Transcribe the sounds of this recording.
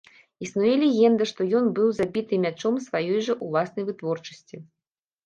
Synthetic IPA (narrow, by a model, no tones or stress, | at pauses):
isnujɛlʲɛɣʲɛnd̪ɐʂt̪ɔjɔnbɨwzabʲit̪ɨmʲat͡ʂɔmsvajɔjʐɐʔulˠasnɐjvɨt̪vɔrt͡ʂɐ̥sʲt͡sʲi